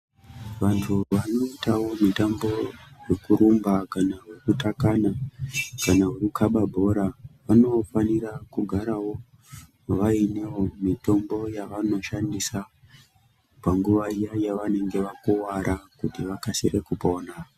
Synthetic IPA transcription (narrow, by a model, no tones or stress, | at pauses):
ʋantʰuʋano̞itawo̞mitambo̞jekuɾumbakanaɦukutakanakanaɦukukʰaɓabʱo̞ɾaʋano̞fanirakuɡʱaɾawo̞ | ʋainewo̞mito̞mbo̞jaʋano̞ʃandisa | paŋɡuʋaijajaʋane̞ŋɡe̞ʋakuwaɾʔakutiʋakasirekupo̞ːna